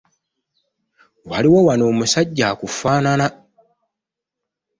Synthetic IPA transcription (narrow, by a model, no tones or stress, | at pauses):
waliwowano̞ːmusaɟːakufaːnana